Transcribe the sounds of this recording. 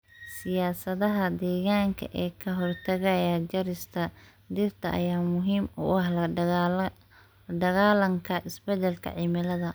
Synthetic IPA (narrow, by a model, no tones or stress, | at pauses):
sɪjaːsɐðɐɦɐd̪ɛːɣaːŋkʰɐ̰ʔɛːkʰɐɦɔrt̪ʰɐɣɐjɐt͡ʃɐɾɪst̪ʰɐ | d̪ɪrt̪ʰɐʔɐ̰jaːmʊɦiːmʊ̰ɐh | ɖɐɣaːlɐŋkʰɐʔɪsbɛd̪ɛlkʰɐ̰ʕɪmɪlɐðɐ